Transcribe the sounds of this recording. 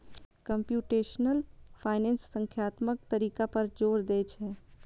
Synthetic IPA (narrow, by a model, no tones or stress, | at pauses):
kɐ̃mpjuːʈeːʃnəlpʰaːɪnɛ̃ːnsːə̃ŋkʰjaːt̪mək̚t̪ɐɾiːkapɐɾd͡ʒoːɾd̪eːt͡ʃʰɛː